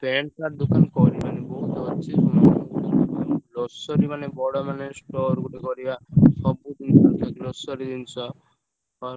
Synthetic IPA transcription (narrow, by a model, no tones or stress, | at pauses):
peɳkaɾd̪ukankɔɾimanibɔɦut̪ɔɾt͡ʃʰeɔnɔut̪ɔɔlɔsɔɾimanebɔɽɔmanesʈɔɾɡuʈekɔɾibasɔbud̪int͡ʃʰɔd͡ʒɔlɔsɔɾid̪int͡ʃʰɔ | ɔɾ